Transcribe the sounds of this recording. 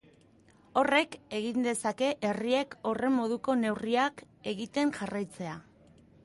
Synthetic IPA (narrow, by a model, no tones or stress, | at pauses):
o̞re̞ke̞ɣind̪e̞sake̞ʔe̞rie̞ko̞re̞mːo̞ð̞uko̞ne̞wriak | e̞ɣit̪e̞ŋʝarajt͡se̞a